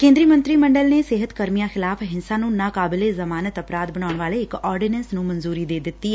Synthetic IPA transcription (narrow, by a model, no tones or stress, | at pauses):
kẽːnd̪ɾiːmə̃nt̪ɾiːməɳɖəlneːsɪɦət̪kəɾmijãːxɪlaːfɦɪnsãːnũːnãːkaːbɪleːzəmaːnət̪əpɾaːd̪̚bəɽ̃aːʊɳʋaːleːɪkɔːɾɖinənsnũːmənzuːɾiːd̪eːd̪ɪt̪ːiːɛ